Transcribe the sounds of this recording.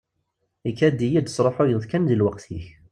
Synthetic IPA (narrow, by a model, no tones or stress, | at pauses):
ikːæd̪ːijid̪sˤɾˤoħʊjəðˤkænðilwəqt̪iç